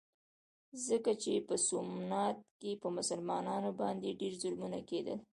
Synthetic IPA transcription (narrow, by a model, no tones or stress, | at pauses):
zəkat͡ʃepəsʊmnat̪̚kepəmʊsəlmɑnɑnobɑnd̪eɖeɾzʊɾmuna̰ked̪ə̰l